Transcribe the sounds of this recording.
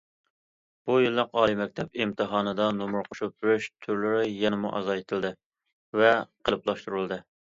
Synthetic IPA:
b̥ujilːɨqɑːlˠimɛk̚ʲt̪ʰɛpimt̪ʰɨɦɑːnɨd̪ɑnomuɾqʰʊʃup̚byɾyʃt̪ʰyɾlɪɾɪjɛnɪmṵʔɑ̰zɑet̪ʰɨlˠd̪ɨ | vɛqʰəlˠɨplˠɑʃt̪uɾulˠd̪ɨ

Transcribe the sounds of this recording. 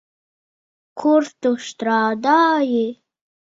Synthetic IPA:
kʰuɾt̪uʃt̪ɾɑːd̪ɑːje

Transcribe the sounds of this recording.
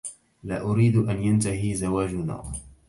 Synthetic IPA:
laːʔʊɾiːd̪ʔanjant̪aɦiːzawaːd͡ʒʊna̰ː

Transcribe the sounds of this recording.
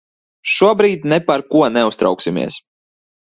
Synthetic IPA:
ʃuɔbɾiːt̪ʲnɛpaɾkuɔnɛust̪ɾa̰wksimʲḭɛs

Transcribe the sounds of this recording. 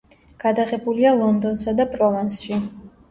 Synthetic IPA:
ɡ̥ad̪aʁɛbulialˠɔnd̪ɔnsad̪apʼɾɔvansʃi

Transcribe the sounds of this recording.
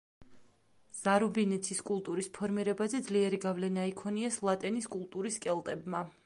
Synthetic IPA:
z̥aɾubinɛt̪sʰiskʼulˠt̪ʼuɾispʰɔɾmiɾɛbazɛd̪zliɛɾiɡavlɛnaikʰɔniɛslˠat̪ʼɛniskʼulˠt̪ʼuɾiskʼɛlˠt̪ʼɛbma

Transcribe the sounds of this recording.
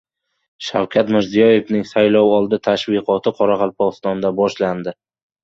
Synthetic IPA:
ʃawkʲʰat̪mɪɾzijɒje̞vnɪŋsajlɒwɒlˠd̪ɪt̪ʰaʃvɪqʰɒt̪ʰɪqʰɒɾaʁɑlˠpʰɒʁɨst̪ɒnd̪abɒʃland̪ɪ

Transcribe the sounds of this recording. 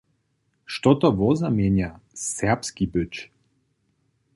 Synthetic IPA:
ʃt̪ɔt̪ɔvɔzamɛɲjasɛpskibøt͡ʃ

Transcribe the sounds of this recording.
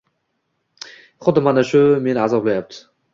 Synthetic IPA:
χʊd̪manaʃʊmenazɒplajap̚t̪ʰɪ̥

